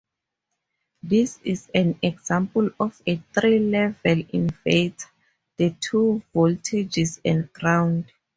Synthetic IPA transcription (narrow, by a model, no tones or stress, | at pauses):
disizɛ̃nɛɡzãmpulɔfetrilɛvɛlĩnfetʰ | dətʰuvɔltʰed͡ʒisɛ̰̃ndɡrãwnd